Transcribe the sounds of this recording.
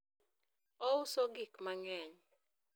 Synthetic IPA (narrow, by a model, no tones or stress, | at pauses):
ɔʊsoɡikmaŋɛɲ